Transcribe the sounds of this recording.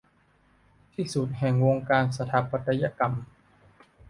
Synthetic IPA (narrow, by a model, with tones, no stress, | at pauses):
t̪ʰiː˥˩su˨˩t̪̚hɛ˨˩ŋwo˧ŋkaː˧nsa˧t̪ʰa˨˦pːa˧t̪a˧ja˧˥˨ka˧m